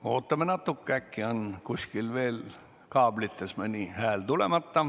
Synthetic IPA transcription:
oːt̪ːɑmenɑt̪ːukːækːiɑnkuskilʋiel | kɑːblit̪ːesmenihæːlt̪ulemɑt̪ːɑ

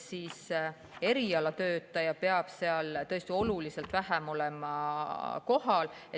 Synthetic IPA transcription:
siːs | e̞ɾiɑlɑt̪ø̞ːt̪ːˑɑjɑpe̞ɑb̥se̞ɑlt̪ɤ̞e̞st̪io̞lulise̞lt̪væɦæmo̞lemɑko̞ɦɑle

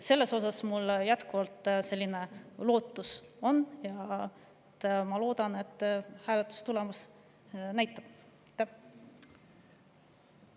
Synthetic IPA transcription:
se̞lːe̞so̞sɑsmuljæt̪kuvɑlt̪ˑse̞lʲːine̞lo̞ːt̪ːˑuso̞nːjɑ | et̪ːmɑlo̞ːd̪̥ɑne̞t̪ːˑhæːlet̪ːˑu̥st̪ulemus | næjt̪ːˑɑb̥ | t̪ːæ

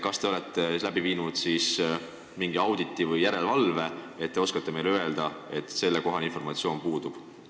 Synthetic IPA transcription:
kɑst̪eo̞le̞t̪ːˑelæb̥iviːnud̪̥siːs | miŋɡ̥iɑwd̪̥it̪ːˑivɯjjæɾe̞lvɑlve̞ | e̞t̪̚ːe̞o̞skɑt̪ːe̞me̞jløe̞ld̪̥ɑe̞t̪ːˑse̞lːeko̞ɦɑlinfo̞rmɑt̪sio̞ːnpuːd̪̥ub̥

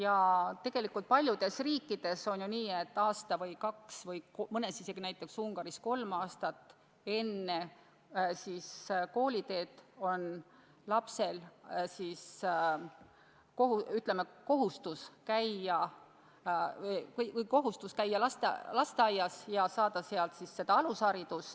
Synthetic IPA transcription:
jɑt̪e̞ɡ̥e̞likːˑult̪̚pɑlʲjud̪̥e̞sriːkːˑid̪̥e̞so̞njuniːe̞t̪ːɑːst̪ɑvɤjkɑksvɤjmɤnesise̞ɡ̥inæjt̪ːˑe̞ksuŋɡ̥ɑɾisko̞lmɑːst̪ɑt̪ːˑ | e̞nːe | sisko̞ːlʲit̪e̞ːt̪o̞n | lɑpse̞lsis | ko̞ɦuyt̪ˑlemeko̞ɦust̪uskæjːɑ | kujko̞ɦust̪uskæjːɑlɑst̪ḛlɑst̪eɑjːɑsjɑsɑːd̪̥ɑseɑlt̪sisːe̞d̪̥ɑɑlusɑɾid̪̥ust̪

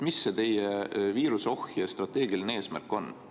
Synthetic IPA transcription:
misːet̪e̞jeviːɾuseo̞hjest̪rɑt̪ːˑe̞ːɡilineeːsmæ̰rkːˑo̞n

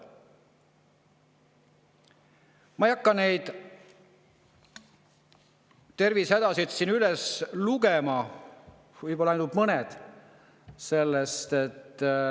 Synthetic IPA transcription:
mɑejɑkːɑne̞jd̪̥ | t̪ːe̞rvished̪ɑsit̪sinylesluɡ̥emɑ | vɯjpo̞lːɑɑjnubmɤned̪̥ | se̞lːest̪e̞t̪ː

